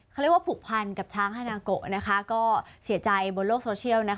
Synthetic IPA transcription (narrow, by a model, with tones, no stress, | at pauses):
ka˥˩ɾi˥kwa˥pʰuː˨˩k̚pʰa˧nka˨˩p̚t͡ɕʰaː˦˥ŋhaː˧naː˧ko˨˩ʔ̚na˦˥kʰa˦˥kɔː˥˩si˨˩˦ɐt͡ɕa˧jbo˧nloː˥˩k̚soː˧t͡ɕʰi˥˩əwna˦˥